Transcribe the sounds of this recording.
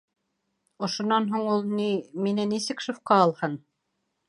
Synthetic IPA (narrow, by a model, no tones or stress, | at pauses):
ŏʃŏnɑnɦuɴulˠniminænːisɘkʃofqɑɑlˠhɤn